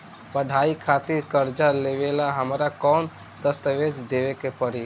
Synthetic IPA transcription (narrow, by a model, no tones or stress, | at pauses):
pəɖʱaːikʰaːt̪ɪɾkəɾd͡ʒaleʋeːlaɦəmɾakɔːn | d̪əst̪əʋeːd͡ʒd̪eːʋekepəɾi